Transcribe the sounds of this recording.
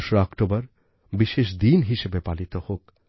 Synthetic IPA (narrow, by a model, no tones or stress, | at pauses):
ʃeɔkʈobaɾ | biʃeʃ̬d̪inɦiʃebepalit̪ohok